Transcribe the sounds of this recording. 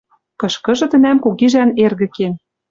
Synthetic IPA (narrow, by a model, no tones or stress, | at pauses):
kɤ̆ʃkɤ̆ʒɤ̆t̪ɘ̆næmkuɣiʒænerɣɘ̆ken